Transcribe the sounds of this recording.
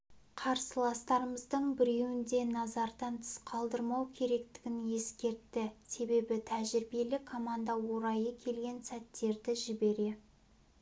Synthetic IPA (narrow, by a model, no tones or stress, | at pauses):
qʰɑɾsəlˠɑst̪ɑɾəməzd̪əɴbɪɾe̞wɪnd̪e̞nɑzɑɾd̪ɑnt̪ʰə̥sqʰɑlˠd̪əɾmɑwkʲʰe̞ɾe̞kt̪ɪ̥ɡʲɪnje̞skʲe̞ɾt̪ːɪse̞be̞bɪt̪ʰæʒɪɾbe̞lɪkʰːo̞mand̪ɑwo̞ɾɑjəkʲʰe̞lɡʲe̞nsæt̪ːe̞ɾd̪ɪʒɪbe̞ɾe̞